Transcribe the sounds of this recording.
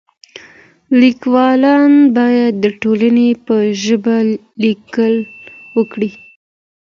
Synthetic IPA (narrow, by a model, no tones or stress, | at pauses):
likwɑlɑnbɑjad̪ːəʈolanepəʒəba | likəlwəkɽi